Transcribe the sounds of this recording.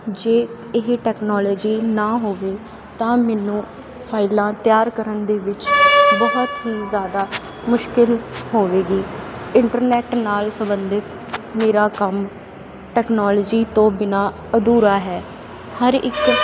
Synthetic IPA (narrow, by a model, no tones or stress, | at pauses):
d͡ʒeː | ɪɦʈɛːknɔːlɔːd͡ʒiːnãːɦoːʋeː | t̪ãːmɛːnũː | pʰaːɪlãːt̪ɪjaːɾkəɾənd̪eːʋɪt͡ʃbəɦt̪ɦiːzjaːd̪aː | mʊʃkɪlɦoːʋeːɡiːɪɳʈəɾnɛːʈnaːlsəmbənd̪ɪt̪ | meːɾaːkəm | ʈɛːknɔːlɔːd͡ʒiːt̪õːbɪnaː | əd̪uːɾaːɦɛː | həɾɪ̰k